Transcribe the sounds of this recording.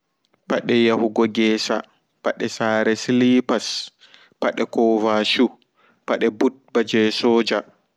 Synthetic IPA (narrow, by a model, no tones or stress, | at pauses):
paɗɛjahuɡɔɡɛːsa̰ | paɗɛsaːɾɛslipas | paɗɛkɔvaʃu | paɗɛbut̚bad͡ʒɛsɔːd͡ʒa